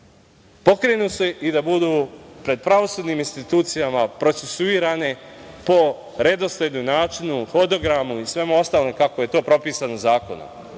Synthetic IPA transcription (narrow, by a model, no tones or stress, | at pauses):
po̞kɾe̞nuːseʔid̪abud̪uːpɾe̞d̪̚pɾaʋo̞suːd̪niːminst̪it̪uːt̪sijamapɾo̞t̪sesuiːɾane̞po̞ | ɾe̞d̪o̞sled̪nomnaːt͡ʃinuxod̪o̞ɡɾamuisʋe̞muo̞st̪aːlnekako̞je̞t̪o̞ːpɾo̞piːsanozaːko̞̰no̰m